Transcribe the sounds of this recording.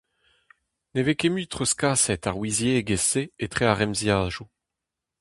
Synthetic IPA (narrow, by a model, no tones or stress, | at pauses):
nevekemyːt̪χoskaːsɛt̪aʁwizjeɡeseːt̪χeaʁɛmzjaːʒu